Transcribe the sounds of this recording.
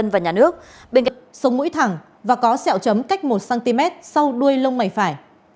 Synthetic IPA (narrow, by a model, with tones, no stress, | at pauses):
ə˧nvaː˨˩ɲaː˨˩nɨ˦˥ək̚ɓe˧nka˧sə˨˦wŋ͡mmṵ˧˥jt̪ʰa˨˩ŋ | vaː˨˩kɔ˨˦sɛ̰˧˨wt͡ɕə˨˦mka˦˥jk̟̚mo˨˩t̚saː˧nt̪i˧mɛ˦˥t̚sa˧wɗu˧əjlə˧wŋ͡mma˨˩jfaː˧˩j